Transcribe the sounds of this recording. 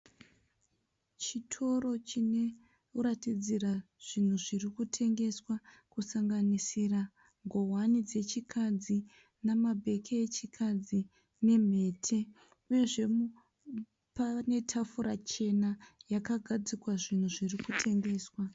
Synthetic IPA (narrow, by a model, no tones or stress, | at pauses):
t͡ʃitʰo̞ro̞t͡ʃine | uɾatid͡ziraʐ̥in̤uʐirikutʰe̞ŋɡe̞swakusaŋɡanisira | ŋɡo̞wanid͡ze̞t͡ʃikʰad͡zi | namabʱe̞kʰeet͡ʃikʰad͡zi | ne̞m̤e̞ːtʰe̞ | uje̞ʐe̞m | pane̞tʰafuɾat͡ʃe̞najakaɡʱad͡zikwaʐin̤uʐirikutʰe̞ŋɡe̞ːswa